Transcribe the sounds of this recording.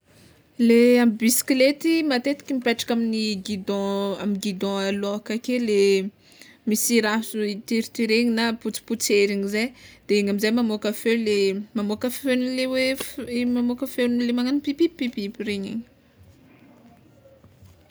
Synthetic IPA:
leambisi̥klet̪imat̪et̪i̥kʲimipeʈ͡ʂḁkaminiɡid̪ɔ̃amiɡid̪ɔ̃aloakakele | misiɾasuit̪iɾit̪iɾeɲinaput͡si̥put͡seɾiɲizajd̪̥eeŋamizajmamokafewlemamokafenilewemamokafewnlemaŋanipipippipipiɾeɲḭɲi

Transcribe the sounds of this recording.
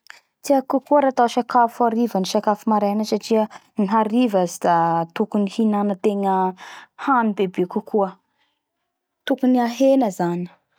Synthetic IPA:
t̪iakukuəɾat̪aʃakafuaɾivəniʃakafumaɾanəsaʈ͡ʂiə | niɦaɾivazid̪̥at̪ukunihinanət̪eŋəhanibebekukʰuə | t̪ukuniaɦenəzani̥

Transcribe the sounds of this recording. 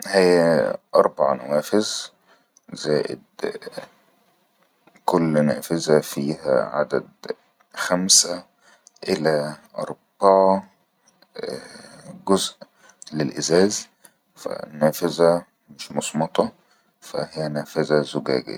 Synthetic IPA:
hejːæʔɑɾˤbɑʕɑ̰næ̰wæːfɪz | z̥æːʔɪ̰d̪ | kolːnæːfɪzæfiːhæ̰ʕa̰d̪æ̰d̪ | xæmsæ | ʔelæʔɑ̰ɾˤb̥ɑʕɑ | ɡozʔ | lelʔɪzæːz | fæ̰nːæːfɪzæ | mɪʃmɑsˤmɑt̪ˤɑ | fæ̰hɪjːænæːfɪzæzʊɡæ̰ːɡɪ̰ː

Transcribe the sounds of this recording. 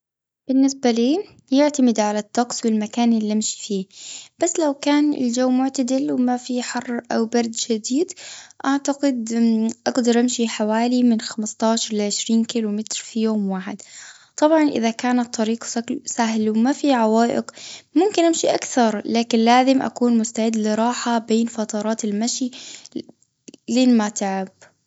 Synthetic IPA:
b̥ɪnːɪsbaliː | jɪʕt̪amɪd̪ʕalat̪ːɑqsˤwɪlmakaːnʔɪlːiʔamʃi̥fiːb̥asːlawkaːnɪ̰ld͡ʒawːmʊʕt̪ad̪ɪlwɪmafiħɑrˤːʔawbɑɾˤd̪ʃad̪iːd̪ʔaʕt̪aɡɪd̪ʔaɡd̪ɑɾˤʔamʃiħawaːlimɪnxamɪst̪ˤɑːʃɑɾˤlʕʕɪʃɾiːnkiːlʊmɪt̪ɾfijoːmwaːħɪ̰d̪ | t̪ˤːɑbʕɑnʔɪ̰ðakaːnat̪ˤːɑɾiːqsasaɦlwmafiʕawaːʔɪ̰qmʊmkɪnʔamʃiʔakθɑɾˤlaːkɪnlaːzɪmʔa̰kuːnmʊst̪aʕɪd̪ːlɪɾˤɑːħabeːnfɑt̪ˤɑɾˤɑːt̪ɪlmaʃi | leːnmat̪aʕab̥

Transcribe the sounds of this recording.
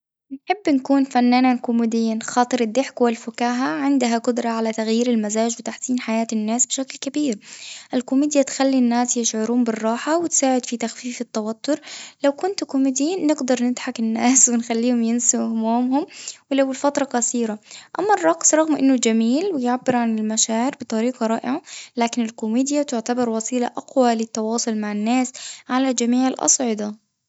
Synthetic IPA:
nħɪbːnkuːnfanːaːnankʊmɪd̪ɪjːiːnxɑːt̪ˤɨɾɪd̪ːɪħkwɪlfʊkaːɦaʕɪnd̪ɦaqʊd̪ɾˤɑʕalat̪aɣjiːɾɪlmazaːd͡ʒwɪt̪aħsiːnħajaːt̪ɪnːaːsbɪʃaklkabiːɾʔɪlkʊmiːd̪jat̪xalːinːaːsjɪʃʕʊɾuːmbɪrˤːɑːħawɪt̪saːʕɪd̪fit̪axfiːfɪt̪ːawat̪ːʊɾlawkʊnt̪kʊmiːd̪jiːnːɪɡd̪ɑɾˤnɪd̪ħakɪnːaːswɪnxalːiːhʊmjɪnsɪhʊmuːmhʊmwɪlawɪlfat̪ɾˤɑkaθiːɾaʔamːɑrˤːɑqsɾˤɑɣmʔɪnːʊd͡ʒamiːlwɪjʕabːɪɾʕanɪlmaʃaːʕɪɾbɪt̪ˤɑɾiːqɑɾˤɑːʔɪʕalaːkɪnɪlkʊmiːd̪jat̪ʊʕt̪abɑɾˤwɑsˤiːlaʔaqwalɪt̪ːɑwɑːsˤʊlmaʕɪnːaːsʕalald͡ʒamiːʕɪlʔɑ̰sˤʕɪd̪ɑ

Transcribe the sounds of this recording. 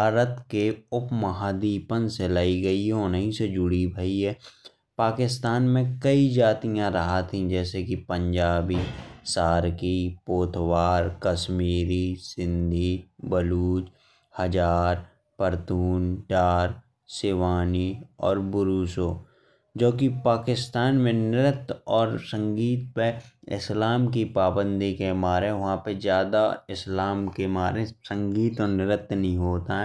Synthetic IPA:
bʱaːɾət̪keʊpməɦad̪iːpənselaːiɡɐiɦoːnəɦĩsed͡ʒʊɽibʱəiɦɛː | paːkɪst̪aːnmẽkəid͡ʒaːt̪ijãɾɐɦat̪ɦĩd͡ʒɛːsekipə̃ɲd͡ʒaːbisaːɾkipoːt̪ʰwaːɾkəʃmiːɾisɪ̃nd̪ʱibəluːd͡ʒ | həd͡ʒaːɾ | pəɾt̪uːnɖaːɾ | seːʋaːniɔ̰ːɾbʊɾuːsoː | d͡ʒoːkipaːkɪst̪aːnmẽnɪɾət̪ɔːɾsə̃ŋɡiːt̪̚peɪ̰slaːmkipaːbə̃nd̪ʱikemaːɾẽʋɐɦãpezjaːd̪aɪslaːmkemaːɾẽsə̃ŋɡiːt̪ɔːɾnɪɾət̪nəɦĩɦoːt̪aɦɛː

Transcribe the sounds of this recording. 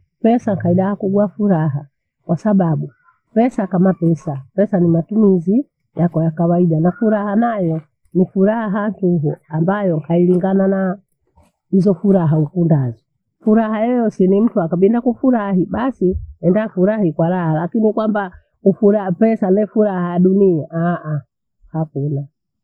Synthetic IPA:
pɛsaŋkaiɗahakuɡuafuɾaɦa | kwasaɓaɓu | pɛsakamapɛsapɛsanimatumizi | jakɔjakawaiɗanafuɾahanajɔ | nifuɾaɦantuɦuambajɔŋkailiŋɡanana | hizɔfuɾaɦaukundazɔ | fuɾaɦajɛjɔsinim̩tuakaɓindakufuɾaɦiɓasiɛndafuɾahikwaɾahalakinikwamba | ufuɾapɛsanɛfuɾahajaɗuniaʔaʔa | hakuna

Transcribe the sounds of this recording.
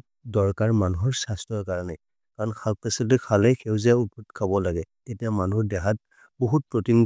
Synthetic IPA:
dɔɹkaɹmanuɦɔɹsastɹɔɹkaɹanɛ | kaɹɔnkʰalpasiltɛkʰalɛjxʰewzɛut̚putkʰabɔlaɡɛtetijamanuɔɹdɛɦat̚ | boɦut̚pɹotin

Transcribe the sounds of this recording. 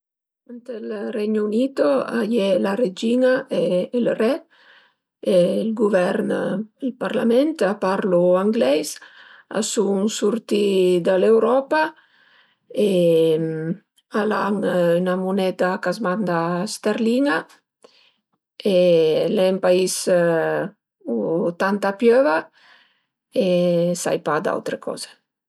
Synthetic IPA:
ant̪elrɛɲunit̪oa̰jɛlaɾed͡ʒinaʔeːlrɛ | elɡuvɛɾnelpaɾlamɛnt̪apaɾluaŋɡlɛjsa̰suŋsuɾt̪id̪alewɾɔpa | e | alaŋynamunɛt̪akazmand̪ast̪eɾliŋa | elɛmpais | ut̪ant̪apjøva | esa̰jpad̪a̰wt̪ɾekɔ̰ze

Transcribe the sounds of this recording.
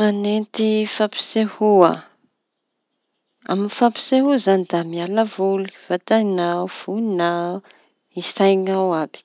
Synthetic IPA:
anent̪ifapi̥sehua̰ | a̰minfapi̥seɦuzanid̪amialəvulu̥vat̪anawv̥uina | isajŋawabi̥

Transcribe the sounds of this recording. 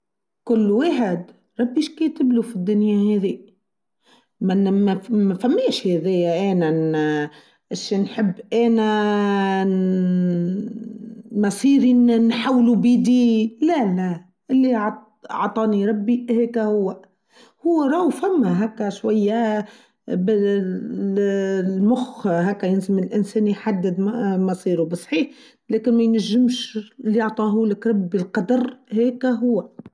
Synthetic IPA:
kʊlːweːħɪd̪ | ɾˤɑbːiʃkeːt̪ɪblufid̪ːʊnjaheːði | manmmafamːeːʃheːðejːaʔeːnan | ʔʃenħɪbːʔeːna | mɑsˤiːɾinnħawːlubiːd̪ilala | ʔɪlːiʕ | ʕt̪ˤɑːniɾˤɑbːihæːkæhʊwːæ | hʊwːæɾˤɑwfæmːæɦæːkːæʃwæjːæ | b | lmʊxɦækːæjɪnzɪmɪlʔɪnsɛːnjħad̪ːɪd̪mɑsˤiːɾubɨsˤħiːħ | lɛːkɪnmæjnæʒːɪmʃɪlːiʕt̪ˤɑːɦuːlɪkɾˤɑbːilqɑd̪ɑɾˤhæːkæɦʊwːæ

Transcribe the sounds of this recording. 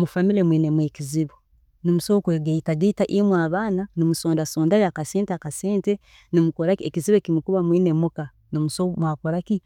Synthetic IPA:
mufamilemwiːnemweːkiziβo | nomusokweːɡeitaditaʔimwaβaːnanimusoːndasoːndajeakaseːnteakaseːnte | nimukoɾakiekiziβoekimukuβamwinemuka | nomusomwakoɾaki

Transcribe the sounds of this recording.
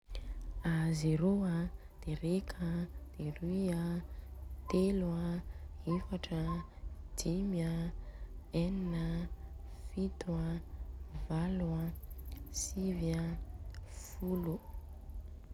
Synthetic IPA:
azeɾoa | d̪̥eɾekʰəd̪̥erya | t̪elwaefaʈ͡ʂəd̪imjə | eninə | fit̪wa | valwa | sivə | fulu

